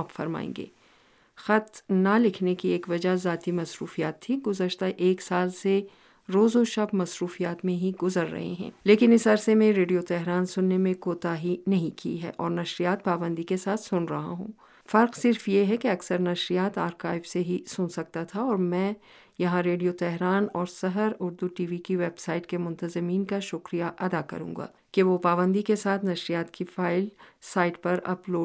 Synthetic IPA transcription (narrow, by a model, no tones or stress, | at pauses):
apfɐɾma̰ːḛ̃ːŋɡḛː | xɐt̪nalɪkʰnekieːkʋɐd͡ʒazaːt̪imɐsɾuːfijaːt̪ʰːĩɡʊzəʃt̪aʔeːksaːlse | ɾoːzoʃɐbmɐsɾuːfijaːt̪mẽɦiɡʊzəɾːɐ̰ɦḛɦɛ̰̃ːleːkɪnɪsɐɾsemẽɾeːɖijot̪ɛɦɾaːnsʊnːemẽkoːt̪aɦinɐɦĩkḭɦɛ̰ːʔɔːɾnɐʃɾijaːt̪̚paːbə̃nd̪ikesaːt̪ʰsʊnɾɐɦa̰ɦṵ̃ː | fɐɾqsɪɾfjeɦɛkeɐksəɾnɐʃɾijaːt̪aːɾkaːɪʋseɦisʊnsɐk̚t̪at̪ʰaɔːɾmɛ̃ː | jɐɦãɾeːɖijot̪ɛɦɾaːnɔːɾsɐɦəɾʊɾd̪uʈiːʋikiʋeːbsaːɪʈkemʊ̃nt̪əzəmiːnkaʃʊkɾijaʔɐd̪akɐ̰ɾṵ̃ːŋɡa̰ː | keʋopaːbə̃nd̪ikesaːt̪ʰnɐʃɾijaːt̪kifaːɪlsaːɪʈpɐɾɐ̰ploː